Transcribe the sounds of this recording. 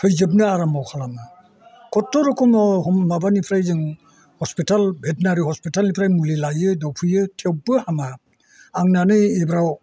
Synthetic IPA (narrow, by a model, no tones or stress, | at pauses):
pʰɯjzɯb̚nɯaɾamawkʰalama | kʰɔtːɔɾɔkʰɔmɔhɔmmabanipʰɾajzɯŋ | hɔspitalbʱet̚naɾihɔspitalnipʰɾajmulilajɯdawpʰɯjɯtʰewbɯhama | aŋnanɯjebɾaw